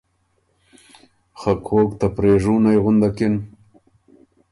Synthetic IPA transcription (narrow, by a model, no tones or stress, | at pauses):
xakʰoːkt̪apɾeːʐuːnajɣʊnd̪akɪn